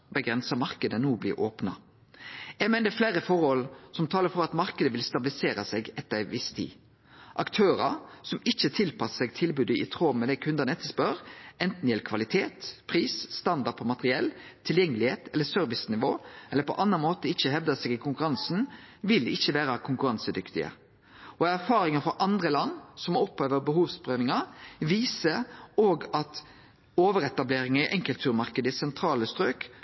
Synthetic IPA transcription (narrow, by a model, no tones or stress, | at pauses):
bəɡɾɛnsɑmɑʁkəd̪ənuːblḭːʔoːpnɑ̰ | ɛmɛnd̪ɛflæːɾəfɔʁhɔlsɔmt̪ʰɑːləɾfɔɾɑt̪mɑɾkəd̪əʋɪlst̪ɑbɪlɪseːɾɑsɛɡɛt̪ːəɾʋɪst̪ʰḭː | ʔɑkt̪ʰøːɾəsɔmɪçət̪ʰɪlpʰɑsə̥sɛɡ̚t̪ʰɪlbʉd̪əɪ̰t̪ʰʁoːmɛd̪ɛkʰʉnd̪ənəɛt̪ːəspœʁɛnt̪n̩jɛləkʰʋɑlɪt̪ʰeːt̪pʰʁiːsst̪ɑnd̪ɑd̚pʰɔmɑt̪əʁɪɛl | t̪ʰɪljɛŋːəlɪheːt̪ʰɛlːəsœɾʋɪsnɪʋoːʔɛlːəɾpʰɔ̰ʔɑnːɑnmoːt̪əɪçːəɦɛʋd̪ɑsɛːɡɪkʰʊŋkʉɾɑnsnʋɪlɪçːəʋæːɾəkʰʊŋkʉɾɑŋsəd̪ʏkt̪ɪə̰ | ɔæɾfɑːɾɪŋənfɾɔʔɑnd̪ʁəlɑnːsɔmɔpʰːøːʋəbəɦuːʋspɾøːʋɪŋɑʋiːsəɾoːɡɑt̪ | oːʋəɾɛt̪ɑbleːɾɪŋəɪʔɛŋkəlt̪ʰʉːɾmɑɾkəd̪əsɛnt̪ʰɾɑːləst̪ɾøːk